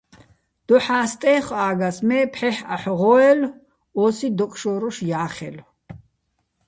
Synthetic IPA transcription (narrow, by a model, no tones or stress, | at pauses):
d̪̥ɔħaːst̪ʼɛːχaːɡasmɛːpʰħɛħaħʁɔːɛl | ɔsid̪ɔkʼʃɔɾɔʃjaːχɛ̰l